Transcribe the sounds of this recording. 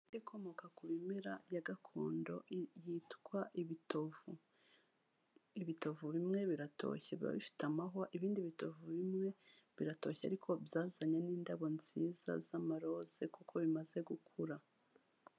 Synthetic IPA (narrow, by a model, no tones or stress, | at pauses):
tikʰo̞mo̞kakuβimeɾa̰jaɡakʰo̰ːndo̞̰jitkwaʔiitovu | iβitovuβimŋe̞βiɾatʰo̞̰ːçeβiɾa̰βḭfi̥tamaɦoʔiβiːndiβito̞vuβimŋe̞βiɾato̞çea̰ɾikʰo̞bjaːzaɲaniːndaβo̞nz̥iːza̰zamaɾo̞z̥e̞kukʰo̞βimaze̞ɡukʰuɾa